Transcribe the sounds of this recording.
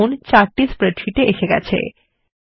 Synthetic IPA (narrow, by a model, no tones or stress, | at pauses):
ont͡ɕaɾʈispɾeɖʃiʈeʔeʃeɡɛ̰t͡ɕʰḛ